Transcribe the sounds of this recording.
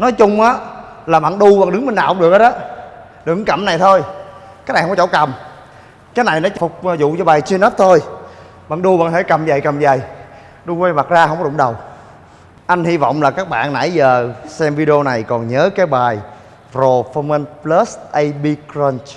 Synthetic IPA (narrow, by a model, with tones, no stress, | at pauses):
nɔ˨˦jt͡ɕʊ˧ŋ͡mʔaː˨˦ | laː˨˩ɓa̰ː˧˨nɗu˧ɓaː˧˨nɗɨ˨˦ŋɓi˧na̰ː˧˨˧ŋ͡mɗɨ˨˩ək̚ə˨˦˥ɗɔː˨˦ | ɗɨ˨˧˦ŋkə˧˩mna˨˩jt̪ʰo˧j | ka˦˥kna˨˩˨ŋ͡mɔ˧t͡ɕo̰˧˥˦kə˨˩m | kaː˨˦jna˨˩jnɔ˨˦t͡ɕfʊ˨˩k͡p̚ːzʊ̰˧˨t͡ɕɔ˧ɓaː˨˩jt͡ɕi˧nɔ˦˥t̚t̪ʰo˧j | ɓa̰ː˧˨nɗu˧ɓa̰ː˧˨nt̪ʰe˧˩kə˨˩mzə˨˩jkə˨˩mzə˨˩j | ɗu˧kwa˧jma˨˩t̚zaː˧hə˧wŋ͡mkɔ˦ɗʊ̰˧˥˦ŋ͡mɗə˨˩w | ʔa˧nhi˧vɔ̰˧˨wŋ͡mlaː˨˩kaː˦˥k̚ɓa̰ː˧˨nna̰˧˥jzəː˨˩sɛ˧mvi˧ɗi˧o˧na˨˩jkɔ˨˩nɲəː˨˦kaː˨˦jɓaː˨˩j | zo˨˩fə˧mə˧nplə˦˥sʔə˧jɓi˧kɾə˧nt͡ɕ